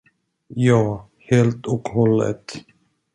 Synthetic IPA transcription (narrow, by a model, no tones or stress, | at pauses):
jɑː | heːlt̪ɔkhɔlːə̰t̪